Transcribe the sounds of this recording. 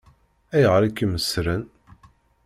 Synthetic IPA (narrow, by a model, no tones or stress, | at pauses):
æjʁɾikːəməsɾən